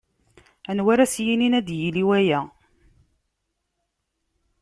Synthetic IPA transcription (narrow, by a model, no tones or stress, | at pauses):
ænwæɾæsjininæd̪jiliwæjæ